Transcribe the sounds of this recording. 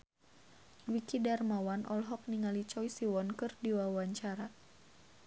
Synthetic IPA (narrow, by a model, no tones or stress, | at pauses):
dwikidarmawanʔɔ̰lɦɔk̚niŋalit͡ʃɔjsiwɔnkɨrdiwawaɲt͡ʃaɾa